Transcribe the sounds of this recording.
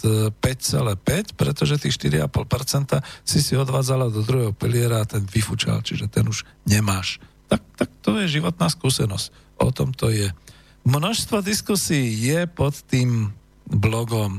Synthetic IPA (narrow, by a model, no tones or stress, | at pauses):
pɛct͡sɛlɛːpɛcpɾɛt̪ɔʒɛt̪iːxʃt̪iɾiapɔlpɛɾt͡sɛnt̪asisiɔd̪ʋaːd͡zalad̪ɔd̪ɾuɦɛɦɔpilɪɛɾaːt̪ɛnʋifut͡ʃa̰lt͡ʃiʒɛt̪ɛnuʒ | ɲɛmaːʃt̪ak̚t̪ak̚t̪ɔjɛʒiʋɔt̪naːskuːsɛnɔsc | ʔɔ̰t̪ɔmt̪ɔjɛ | mnɔʃst̪ʋɔd̪iskusiːjɛpɔt̪ːiːm | blɔɡɔm